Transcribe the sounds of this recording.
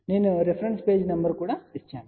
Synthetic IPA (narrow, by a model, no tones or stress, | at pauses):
neːnuɾipʰɐɾɐnspeːd͡ʒnɐmbɐɾkuːɽait͡ʃːaːni